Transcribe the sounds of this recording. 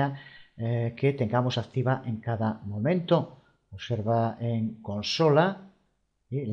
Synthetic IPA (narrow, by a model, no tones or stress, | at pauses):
a | ket̪e̞ŋɡamosak̚t̪iβ̞aʔeŋkaðamõ̞mẽnt̪o | oβseɾβaeŋkõnsola | il